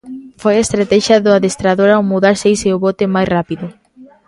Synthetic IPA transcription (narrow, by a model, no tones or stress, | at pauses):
fojest̪ɾat̪ɛʃjaðʊaðest̪ɾaðoɾawmuðaɾsejseʊβot̪emajsrapiðʊ